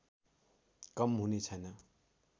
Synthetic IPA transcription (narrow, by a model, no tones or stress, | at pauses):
kʌmɦunet͡sʰʌjnʌ